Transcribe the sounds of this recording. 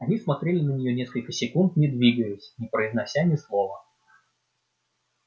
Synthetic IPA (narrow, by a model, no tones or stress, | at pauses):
ɐnʲismɐt̪ɾʲelʲɪnənʲɪjonʲe̞skəlʲkəsʲɪkunt̪nʲɪd̪vʲiɡəjɪsʲnʲɪpɾəɪznɐsʲanʲɪslˠovə